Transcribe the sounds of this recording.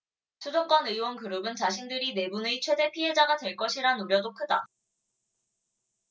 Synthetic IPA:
sʰudok͈wʌnɯiwʌnkɯɾɯbɯnt͡ɕaɕʰindɯɾine̞buneit͡ɕʰwe̞de̞pʰiɦe̞d͡ʑaɡadwe̞ɭk͈ʌɕʰiɾanuɾjʌdok͈ʰɯda

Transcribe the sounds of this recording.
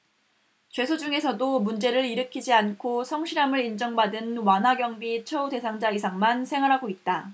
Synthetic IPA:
t͡ɕwe̞sʰod͡ʑuŋe̞sʰʌdomund͡ʑe̞ɾɯɾiɾɯkʰid͡ʑiankʰosʰʌŋɕʰiɾamɯɾind͡ʑʌŋbadɯnwanɦaɡjʌŋbit͡ɕʰʌude̞sʰaŋd͡ʑaisʰaŋmansʰe̞ŋɦwaɾɦaɡoit̚t͈a

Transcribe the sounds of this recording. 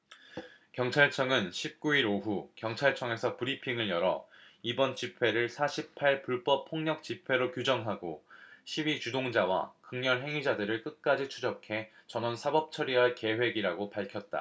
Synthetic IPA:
kjʌŋt͡ɕʰaɭt͡ɕʰʌŋɯnɕʰip̚k͈uiɾoɦukjʌŋt͡ɕʰaɭt͡ɕʰʌŋe̞sʰʌpɯɾipʰiŋɯɭjʌɾʌibʌnt͡ɕipʰwe̞ɾɯɭsʰaɕʰip̚pʰaɭpuɭp͈ʌpʰːoŋɲʌk̚t͡ɕ͈ipʰe̞ɾokjud͡ʑʌŋɦaɡoɕʰiwit͡ɕudoŋd͡ʑawa̰kɯŋɲʌɭɦe̞ŋid͡ʑadɯɾɯɭk͈ɯt̚k͈ad͡ʑit͡ɕʰud͡ʑʌkʰe̞t͡ɕʌnʌnsʰabʌp̚t͡ɕʰʌɾiɦaɭke̞ɦwe̞ɡiɾaɡopaɭkʰjʌt̚t͈a̰

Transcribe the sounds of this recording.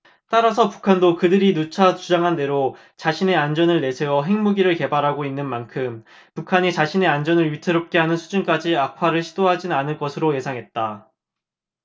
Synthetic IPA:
t͈aɾasʰʌpu̥kʰandokɯdɯɾinut͡ɕʰat͡ɕud͡ʑaŋɦande̞ɾo | t͡ɕaɕʰine̞and͡ʑʌnɯɭːe̞sʰe̞wʌɦe̞ŋmuɡiɾɯɭke̞baɾɦaɡoinːɯnmankʰɯm | pukʰaɲit͡ɕaɕʰine̞and͡ʑʌnɯɭɥitʰɯɾop̚k͈e̞ɦanɯnsʰud͡ʑunk͈ad͡ʑiapʰaɾɯɭɕʰid̥oɦad͡ʑinanɯɭk͈ʌsʰɯɾoje̞sʰaŋɦe̞t̚t͈a

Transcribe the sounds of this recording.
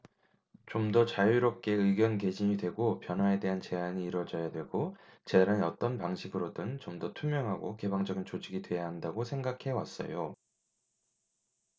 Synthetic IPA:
t͡ɕomdʌt͡ɕajuɾop̚k͈e̞ɯɡjʌnke̞d͡ʑiɲidwe̞ɡopjʌnɦwae̞de̞ɦant͡ɕe̞ɦaɲiːɾʌd͡ʑʌjadwe̞ɭɡot͡ɕedaɾɯnʌ̰t͈ʌnpaŋɕʰiɡɯɾodɯnt͡ɕomdʌtʰumjʌŋɦaɡoke̞baŋd͡ʑʌɡint͡ɕod͡ʑʰiɡidwe̞jaɦandaɡosʰe̞ŋɡakʰe̞was͈ʌ̰jo

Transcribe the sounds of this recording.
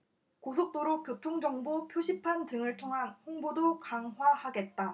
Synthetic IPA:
kosʰok̚t͈oɾok̚p͈jotʰoŋd͡ʑʌŋbopʰjoɕʰipʰantɯŋɯɭtʰoŋɦanɸoŋbodokaŋɦwahaɡe̞t̚t͈a

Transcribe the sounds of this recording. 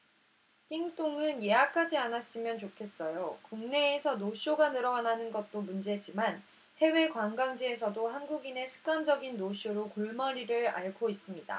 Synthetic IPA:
k͈iŋt͈oŋɯnje̞akʰad͡ʑianas͈ɯmjʌnt͡ɕokʰe̞s͈ʌjokuŋne̞ːsʰʌnoɕ͈oɡanɯɾʌananɯnɡʌt̚t͈omund͡ʑe̞d͡ʑiman | he̞we̞kwaŋɡaŋd͡ʑie̞sʰʌdohanɡuɡine̞ɕʰɯ̥k̚k͈amd͡ʑʌɡinːoɕ͈ʰoɾokoɭmʌɾiɾɯɾa̰ɭɡois͈ɯmɲida̰

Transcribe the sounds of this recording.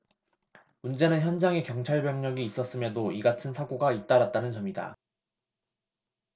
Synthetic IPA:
mund͡ʑe̞nɯnçjʌnd͡ʑaŋe̞kjʌŋt͡ɕʰaɭbjʌŋɲʌɡiːs͈ʌs͈ɯmjʌdoiɡatʰɯnsʰaɡoɡait̚t͈aɾat̚t͈anɯnt͡ɕʌmida̰

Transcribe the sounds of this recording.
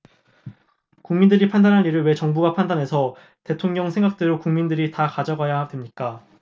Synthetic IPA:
kuŋmindɯɾipʰandanɦanːiɾɯɭwe̞t͡ɕʌŋbuɡapʰandanɦe̞sʰʌ | te̞tʰoŋɲʌŋsʰe̞ŋɡak̚t͈eɾokuŋmindɯɾitakad͡ʑʌɡajadwe̞mɲik͈a

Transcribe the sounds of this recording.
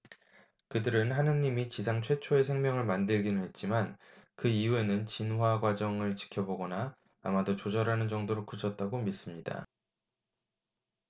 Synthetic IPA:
kɯdɯɾɯnɦanɯɲːimit͡ɕisʰaŋt͡ɕʰwe̞t͡ɕʰoe̞sʰeŋmjʌŋɯɭmandɯɭɡinɯɦe̞t̚t͡ɕ͈imankɯijue̞nɯnt͡ɕinɦwaɡwad͡ʑʌŋɯɭt͡ɕi̥kʰjʌboɡʌnaː | madot͡ɕod͡ʑʌɾanɯnd͡ʑʌŋdoɾokut͡ɕʰʌt̚t͈aɡomis͈ɯmɲida̰

